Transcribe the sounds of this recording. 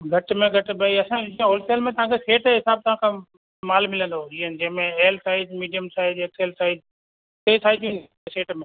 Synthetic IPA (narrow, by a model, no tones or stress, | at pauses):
ɡʱɐʈmẽɡʱɐʈ̆bɐiɐsãd͡ʒiə̃ɦoːlseːlmẽt̪ɐʋɦãkʰeseːʈɦɪsaːb̚t̪ɐʋ̤ãkʰãː | maːlmɪlə̃nd̪oiɦənd͡ʑɛ̃ɦmẽeːlsaːɪdmiːɖijəmsaːɪd̪ekseːlsaːɪd̪ | k̪eisaːɪd͡ʒ̪ĩnd̪ | seːʈmẽ